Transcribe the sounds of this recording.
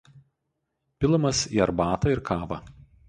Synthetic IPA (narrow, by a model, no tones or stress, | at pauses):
pʲɪlˠɐmɐsiːɐɾbɑːt̪ɐɪɾkɑːʋɐ